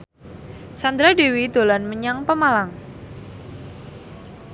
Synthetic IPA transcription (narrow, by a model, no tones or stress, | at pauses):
sand̪ɾadewid̪̥o̤lanməɲaŋpəmalaŋ